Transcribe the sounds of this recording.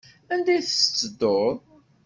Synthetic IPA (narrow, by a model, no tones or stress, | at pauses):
ænd̪æjθəsə̥t͡sːəd̪ːoðˤ